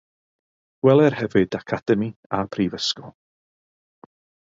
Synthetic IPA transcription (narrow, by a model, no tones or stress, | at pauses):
ɡ̥wɛlˠɛrhɛvɨdakʰad̥ɛmiapʰrivəskɔlˠ